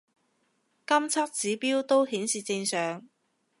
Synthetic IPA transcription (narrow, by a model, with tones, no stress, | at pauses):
kɐ˥mt͡sʰɐ˥k̚t͡siː˨˥piː˥wt̪o˥wɦiː˨˥nsiː˨˩t͡sɪ˧ŋsœː˨ŋ